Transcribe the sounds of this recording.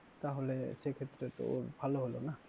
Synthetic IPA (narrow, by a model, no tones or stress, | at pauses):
t̪aɦolɛsekʰet̪ːɾet̪o̰bʱaloɦolona